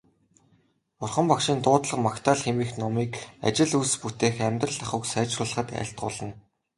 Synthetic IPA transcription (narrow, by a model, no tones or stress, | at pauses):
ʊrχə̆mpakʃiːnt̪ʊːt̪ɮə̆qmakt̪ʰaːɮxemiːxnɔmiːka̰t͡ɕɪ̆ɮusput̪eːxæmʲt̪rə̆ɮaχʊ̆ːksæːt͡ɕrʊːɮə̆χə̆t̪æ̰ːɬt̪̚ɢʊːɮə̆n